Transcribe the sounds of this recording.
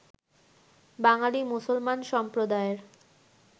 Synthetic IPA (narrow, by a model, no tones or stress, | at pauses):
baŋalimusolmanʃɔmpɾod̪aeɾ